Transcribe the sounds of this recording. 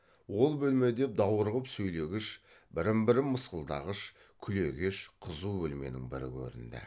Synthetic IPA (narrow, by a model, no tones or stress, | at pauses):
wo̞lˠbɵlme̞d̪e̞p̚d̪ɑwəɾʁəpsɵjle̞ɡʲɪʃbɪɾɪmbɪɾɪmmːəsqəlˠd̪ɑ̰ʁəʃ | kʲʰʏle̞ɡʲeʃqʰəzubɵlme̞̰nɪŋbɪɾɪ̰kʲʰɵ̰ɾɪ̰nd̪ɪ̰